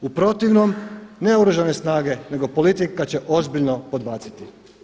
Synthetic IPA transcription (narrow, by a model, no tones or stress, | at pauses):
upɾo̞t̪iʋnomne̞oɾuʒane̞snaːɡe̞ne̞ɡo̞po̞lit̪ikːat͡ɕe̞ʔo̞zbiʎnopo̞d̪̚baːt̪si̥t̪i